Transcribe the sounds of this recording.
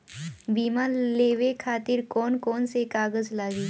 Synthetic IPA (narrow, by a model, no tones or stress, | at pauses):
biːmaleːwekʰaːt̪ɪɾkɔːnkɔːnsekaːɡəzlaːɡiː